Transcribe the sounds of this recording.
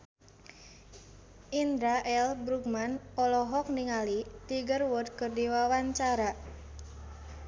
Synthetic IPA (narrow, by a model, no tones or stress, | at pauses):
ʔind̪ɾaʔɛlbɾuk̚manɔlɔɦɔk̚niŋalit̪iɡərwʊd̪̚kərdiwawaɲt͡ʃaɾa